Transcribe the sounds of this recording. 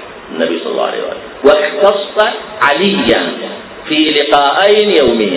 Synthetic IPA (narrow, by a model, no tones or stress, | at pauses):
ɪnːa̰bḭjsˤɑ̰lˤːɑ̰wʕa̰la̰ːhwʔa̰ːle | wɪxt̪ɑsːˤɑʕalɪjːan | filɪqɑːʔajnjawmɪjːa